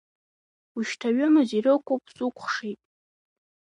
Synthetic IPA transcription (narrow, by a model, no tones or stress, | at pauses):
uʃtʰaɥɨmɨzirɨkʷʰopʰʼsʼukʷʰχʂejtʼ